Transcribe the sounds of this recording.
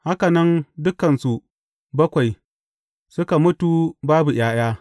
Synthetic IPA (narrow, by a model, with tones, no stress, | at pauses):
ha˦ka˨nɐ˦ndʊ˦kɐ˨nsu˨ | bɐ˦kʷa˨j | sʊ˦ka˨mʊ˦tu˨baː˦bu˨j̰aː˦j̰aː˦